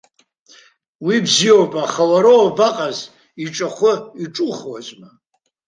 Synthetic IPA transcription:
wibziowpʼaχalaɾoabaqʼaz | iʈ͡ʂʼaχʷʊiʈ͡ʂʼuχwazma

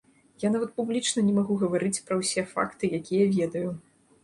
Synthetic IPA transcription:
janavɐt̪̚publʲit͡ʂnɐnʲɛmaɣuɣɐvaɾɨt͡sʲpɾɐwsʲɛfa̰kt̪ɨjakʲijɐvʲɛd̪ɐju

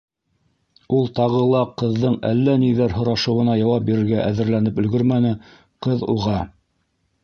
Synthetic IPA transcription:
ulˠt̪ɑʁɤ̆lˠɑqɤ̆ðːɤɴælːæniðæɾɦŏɾɑʃɤ̆wɤ̆nɑjɑwɑp̚biɾɘ̆ɾɡæʔæðɘ̆ɾlænɘpɵ̆lɡɵɾmænɘ | qɤðuʁɑ

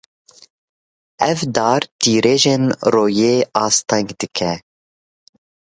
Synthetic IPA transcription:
ɛvd̪ɑːɾt̪ʰiːɾeːʒenroːjeːɑːst̪ɛŋɡd̪ɨkʰɛ

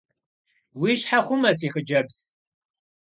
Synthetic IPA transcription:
wiːɕħaχʷʊmɐs̬iːxəd͡ʒɐbz̥

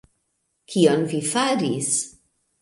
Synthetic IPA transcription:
kʰionvifaɾis

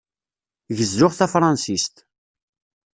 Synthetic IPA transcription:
ʝəzːʊʁθæfɾˤɑnsist̪

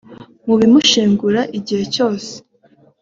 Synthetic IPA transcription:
muβimuʃeːŋɡuɾaʔiɟihe̞co̞ːse̥

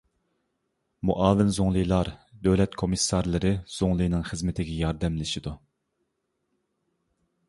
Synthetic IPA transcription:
muʔɑːvɪnzoŋlˠɨjlˠɑɾd̪øwlɛt̪kʰomɨsːɑɾlˠɨɾɨz̥oŋlˠɨjnɨŋχɨzmɪt̪ʰɪɡʲɛjɑɾd̪ɛmlɪʃid̪u

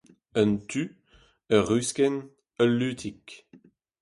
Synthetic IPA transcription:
ənt̪ʰy | əʁyskɛn | əlːyːt̪ʰik

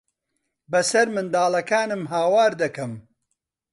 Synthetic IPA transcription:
bɐsɐɾmɨnd̪aːlɐkaːnɨmɦaːwaːɾd̪ɐkɐm

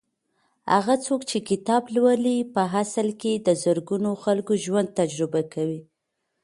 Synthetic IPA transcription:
ha̰ɣat͡sokt͡ʃekɪt̪ɑblwəlipəɦasəlked̪əzəɾɡunoxalkoʒwand̪̚t̪ad͡ʒɾɪbakawi

